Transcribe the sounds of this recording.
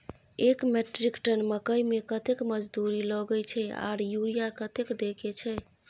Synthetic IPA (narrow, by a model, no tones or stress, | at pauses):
ekmeʈɾikʈənməkəjmekət̪ekməd͡ʒd̪uɾilɔɡəjt͡ʃʰɛa̰ɾjuɾijakət̪ekd̪eket͡ʃʰɛ